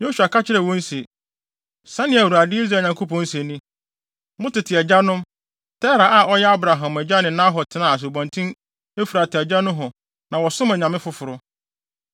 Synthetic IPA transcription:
jo˦su˨a˨ka˦t͡ɕʰɪ˦ɾɛ˨wɔ̃˦n̩˦se˨ | sã˦nɪ̃˨æ˨wu˨ɾa˨dɪ˦i˦zɾaː˨ɲã˨ŋkʰo˦pʰɔ̃˨˦n̩˦se˨nĩ˦ | mʊ̃˦tɪ˨tʰɪ˨ɛ˨d͡ʑa˦nʊ̃˦m | tʰɛ˦ɾa˨ʔa˨ɔ˦jɛ˦a˦bɾa˨ɦã˨mæ˨d͡ʑa˦nɪ̃˨nã˦ɦɔ˨tʰɪ˨nã˨a˨s̬o˨bɔ̃˨ntʰĩ˦ | e˦fi˨ɾa˨tʰɪ˨ɛ˨d͡ʑa˦nʊ̃˦ɦʊ̃˨ | nã˨wɔ˨sʊ̃˦mæ˨ɲã˨mɪ̃˦fʊ˦fʊ˨ɾʊ˦

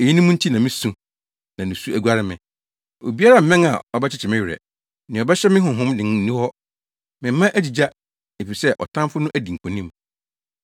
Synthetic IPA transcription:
e˨ji˦nĩ˦mũ˦n̩˦tʰi˦nã˨mɪ̃˦sũ˨ | nã˨nʊ̃˨su˦æ˨ɡu˦a˦ɾɪ˦mɪ̃˨ | o̰˨bi˦a˦ɾa˦m̩˨mɛ̃˦ŋa̰˨ɔ˨bɛ˦t͡ɕʰɪ˦t͡ɕʰɪ˨mɪ̃˦ɥɪ˨ɾɛ̰˨ | nɪ̃˨ɔ˨bɛ˦ɕɛ˦mɪ̃˦ɦʊ̃˨ɦʊ̃˦mdɪ̃˨ŋ˦nĩ˦hɔ˦ | mɪ̃˨m̩˦mã˦ʔæ˦d͡ʑi˨d͡ʑa˦ | e˨fi˨sɛ˦ʔɔ̰˨tʰã˦fʊ˦nʊ̃˦ʔæ˦di˨ŋ̩˨kʰõ˨nĩ˦m

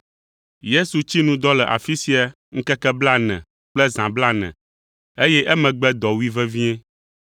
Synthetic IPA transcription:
je˦su˨t͡ɕi˦nũ˦d̪ɔ˦lɛ˨ʔa̰˨fi˦si˦a˨ | ŋ̩˦kɛ˦kɛ˦bla˦nɛ̰̃˨ | k͡plɛ˦zã˨bla˦nɛ̰̃˨ | e˦jɛ˦ʔɛ˦mɛ̃˨ɡ͡bɛ˦d̪ɔ˨wi˦vɛ˦vĩ˦ɛ̃˦

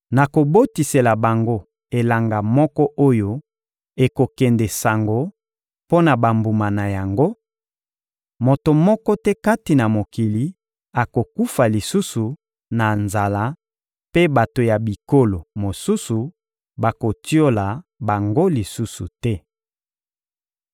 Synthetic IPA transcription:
na˨ko˨bo˦ti˨se˨la˨ba˨ŋɡo˦ | e˨la˨ŋɡa˨mɔ˦kɔ˦ʔo˦jo˦ | e˨ko˨kɛ˨ndɛ˨sa˨ŋɡo˨˦ | po˦na˨ba˨mbu˨ma˨na˨ja˨ŋɡo˦ | mo˨to˨mɔ˦kɔ˦tɛ˦ka˦ti˨na˨mo˨ki˨li˨˦ | a˨ko˨ku˦fa˨li˨su˦su˨ | na˨nza˨la˦ | pe˦ba˨to˨ja˨bi˨ko˦lo˨mo˨su˦su˨ | ba˨ko˨ti˦o˦la˨ba˨ŋɡo˦li˨su˦su˨tɛ˦

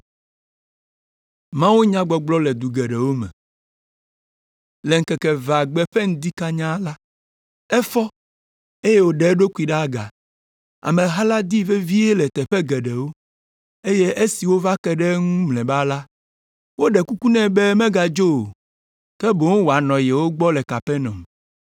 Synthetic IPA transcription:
mã˦wu˦ɲã˦ɡ͡bɔ˨ɡ͡blɔ˦lɛ˨d̪u˨ɡɛ˨ɖɛ˨wo˦mɛ̰̃˨ | lɛ˨ŋ̩˨kɛ˨kɛ˨va˨ɡ͡bɛ˦ɸɛ˦ŋ̩˦d̪i˦ka˦ɲã˦la˦ | ɛ˦fɔ˦ | e˦je˦wo˦ɖɛ˨˦ɖo˦ku˦i˨ɖa˦ɡa̰˨ | a̰˨mẽ˨ɦa˦la˦d̪i˦ve˦vi˦e˦lɛ˨t̪ɛ˨ɸɛ˦ɡɛ˨ɖɛ˨wo˦ | e˦je˦ʔe˦si˨wo˦va˦kɛ˦ɖɛ˦ŋũ˦mlɛ̃˨ba˦la˦ | wo˦ɖɛ˨ku˦ku˦nɛ̃˦bɛ˦mɛ̃˦ɡa˨d͡ʒo˦o˨ | kɛ˦bo˨ŋ˦wo˨a˨nɔ̃˨jɛ˨wo˦ɡ͡bɔ˦lɛ˨ka˨pɛ˦nɔ̰̃˨m˨

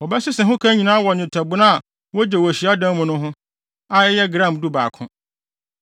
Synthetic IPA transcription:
wɔ˨bɛ˦sʊ˦sɛ˨ɦʊ̃˦kʰã˦ɲĩ˨nãː˦wɔ˨n˨ɪ̃˨tʰa˨bʊ˦nã˦a˨ | wɔ˦d͡ʑɛ˨wɔ˨ɕi˨a˦dã˦mʊ̃˦nʊ̃˦ɦʊ̃˦ | a˦jɛ˦jɛ˦ɡɾã˦˨mdu˦baː˨kʰʊ̃˦

